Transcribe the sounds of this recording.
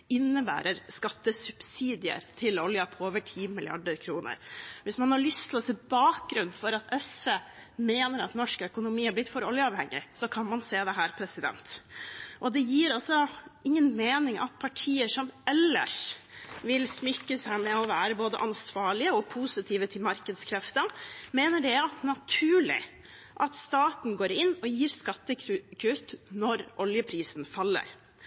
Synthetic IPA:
ɪnːəbæ̰ːɾəɾskɑt̪ːəsʉb̥siːd̪ɪə̰ɾt̪ʰɪlɔljɑpʰɔoːʋəʈʰiːmɪlɪɑ̰ɖəɾkʰɾuːnə̰ɾʋɪsmɑnhɑɭʏst̪ʰɪlɔsɛbɑːk̚ɡɾʉnfɔɾɑt̪ʰɛsʋeːmeːnəɾɑt̪nɔʂkœkʊnʊmiːhɑɾb̪ɪt̪ːfɔɾɔljəɑːʋhɛŋːɪ̰sɔkʰɑnmɑnseːd̪ɛɦæːɾpʰɾɛsɪd̪ɛ̰nt̪ʔɔd̪ɛjiːɾɑlsɔɪŋːənmeːnɪŋʔɑ̰t̪̚pʰɑʈʰiːəʂɔmʔɛlːə̰ʂʋɪlsmʏkːəsæɪmɛɔʋæːɾəboːd̪ə̰ʔɑnsʋɑːɭɪəɔpʰusɪt̪ʰiːʋət̪ʰɪlmɑɾkəd̪skʰɾɛft̪əmeːnəɖɛɑt̪nɑt̪ʰʉːɭɪ̰ | ʔɑt̪st̪ɑːt̪n̩ɡoːɾɪnːɔjiːɾskɑt̪ːəkʰʉt̪nɔɾʔɔljəpʰɾiːsnfɑlːə̰ɾ

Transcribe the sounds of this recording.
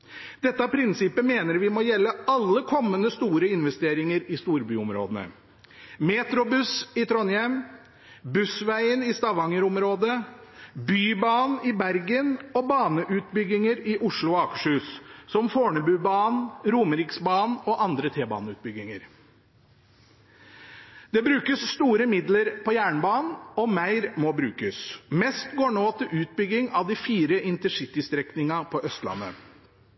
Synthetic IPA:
d̪̥ɛt̪ːəɑpʰɾɪnsɪpːəmeːnəɾʋɪmoːjɛlːəɑlːəkʰɔmːənəst̪uːɾəɪnʋɛst̪eːɾɪŋəɾɪst̪uːɾbyːɔmɾo̰ːd̪ənə̰ | meːt̪ɾʊbʉsɪt̪ʰɾɔnjɛm | bʉsʋæɪənɪst̪ɑʋɑŋəɾɔmɾoːd̪ə | byːbɑːnɪbæɾɡənɔbɑːnəʔʉːt̪bʏɡːɪŋəɾɪʔʊʂɭʊɑkə̥ʂʉːssɔmfoːɳəbʉːbɑːnɾuːməɾɪksbɑːnɔʔɑnd̪ɾət̪ʰeːbɑ̰ːnəʉːt̪̚bʏɡːɪŋəɾ | d̪ɛbɾʉːkəsːt̪uːɾəmɪd̪ləɾpʰɔjæːɳbɑːnn̩ɔmæɪɾmɔbɾʉːkəsmɛst̪ɡoːɳoːt̪ɪlʉːt̪̚bʏɡɪŋɑʋd̪ɪfiːɾəʔɪnt̪əʂɪt̪ɪst̪ɾɛknɪŋɑpʰɔʔœst̪lɑ̰nːə̰

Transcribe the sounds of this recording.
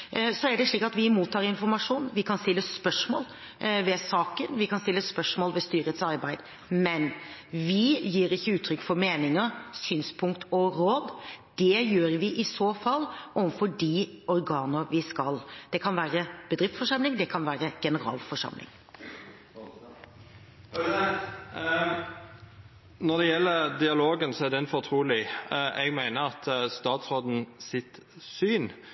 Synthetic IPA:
sɔæɖɛʂɭiːkɑt̪ʋɪmuːt̪ʰːɑːɾɪnfɔɾmɑʂuːnʋɪkʰɑnst̪ɪlːəspœʂmo̰ːl | ʋɛsɑːkənʋɪkɑnst̪ɪlːəspœʂmoːlʋɛst̪yːɾət̪sɑɾbæɪd̪ | mɛnʋɪjiːɾɪçːəʉːt̪ʰɾʏkːfɔɾmeːnɪŋəsyːnspʰʊŋkt̪ʰɔɾoːd̪d̪̥ɛjøːɾʋɪʔɪsoːfɑlːɔʋənfɔɖiɔɾɡɑːnəɾʋɪskɑld̪̥ɛkʰɑnʋæːɾəb̥əd̪ɾɪft̪fɔʂɑmlɪŋd̪ɛkʰɑnʋæːɾəɡ̥ɛnəɾɑ̰ːlfɔʂɑ̰mlɪ̰ŋ | nɔd̪ɛjɛlːəɾd̪ɪɑloːɡənsɔɛd̪ɛnfɔʁt̪ʰɾuːlɪɛɡmæɪnəɾɑt̪st̪ɑːt̪sʁoːd̪n̩sɪt̪syːn

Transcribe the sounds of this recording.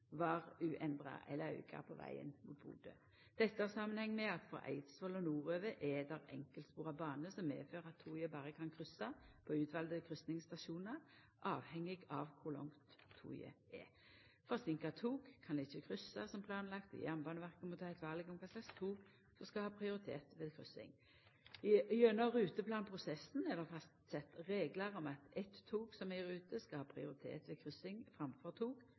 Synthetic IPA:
ʋɑʁʉːʔɛnd̪ʁɑ̰ɛ̰lːəʉ̰kʰɑ̰pʰɔʋæ̰ɪə̰nmuːt̪̚bṵːd̪ə̰ | d̪̥ɛt̪ːəhɑsɑmːənhɛŋːmɛɑt̪fɔ̰ʔæ̰ɪt̪sʋɔlɔnuːʁøːʋəʔɛd̪ɑʁɛŋkəlt̪spuːʁɑbɑːnəsɔmːḛːføːʁəɑt̪ʰːuːjəbɑːʁəkʰɑnkʰʁʏsːɑpʰɔʉːt̪ʰʋɑld̪əkʰʁʏsnɪŋst̪ɑʃuːnəʁ | ʔɑːʋhɛŋːɪɡɑʋkʰʊʁlɔ̰ŋt̪ʰːṵːjə̰ | ɛ | fɔʁsɪŋkɑt̪ʰuːɡkʰɑnd̪ɛɪçəkʰɾʏsːɑsɔmpʰlɑːnlɑkt̪ɪ̰jæʁnbɑːnəʋæʁkəmʊt̪ʰːæɪt̪ʋɑːʁlɪɡɔmkʰɑsɑst̪ʰuːɡ | sɔskɑhɑːpʰɾɪʊɾɪt̪ʰḛːt̪ʋɛːðkʰɾʏsɪ̰ŋ | ɪønːɔɾʉːt̪əpʰlɑːnpʰʁʊsɛsn̩ɛlːəʁfɑst̪sɛt̪ːɾeːɡlɑɾɔmɑt̪ɛt̪ʰːuːɡsɔmɛɾʉːt̪əskɑhɑːpʰɾɪʊɾɪt̪ʰḛːt̪ʋɛkʰɾʏsɪŋfɾɑmfɔʁt̪ʰuːɡ̥

